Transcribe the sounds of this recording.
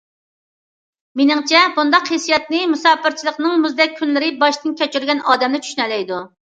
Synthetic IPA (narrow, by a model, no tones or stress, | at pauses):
menɪŋt͡ʃʰɛbund̪ɑqhesijɛt̪̚nɨmusɑːpɨɾt͡ʃʰilˠəqnɨŋmuzd̪ɛk̚ʲʰːynlɪɾɪbɑʃt̪ɨnkʲɛt͡ʃyɾɡʲɛnʔɑːd̪ɛmnɪt͡ʃʰy̥ʃynɛlɛjd̪u